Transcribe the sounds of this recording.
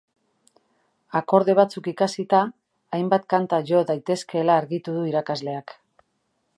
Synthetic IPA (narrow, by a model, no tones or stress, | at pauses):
ako̞ɾðe̞β̞at͡sukikasit̪aː | jmbat̪kant̪aʝo̞ðajt̪e̞ske̞laːɾɣit̪uðuiɾakazle̞ak